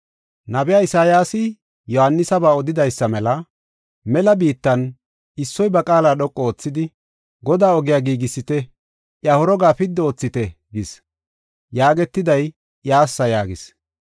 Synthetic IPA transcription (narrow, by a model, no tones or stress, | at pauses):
nɐbɛjaːɪsaːjaːsɪ | jɔhɐnːɪsɐbaːɔd̪ɪd̪ɐjsːɐmɛlɐ | mɛlɐbiːt̪ːɐn | ɪsːɔjbɐkʼaːlaːɗɔkʼːɔoːt͡sːɪd̪ɪ | ɡɔd̪aːɔɡɪjaːɡiːɡɪsːɪt̪ɛ | ʔjɐhɔɾɔɡaːpɪd̪ːɛo̞ːt͡sːɪt̪ɛ | ɡɪs | jaːɡɛt̪ːɪd̪ɐj | ʔjaːsːɐjaːɡɪs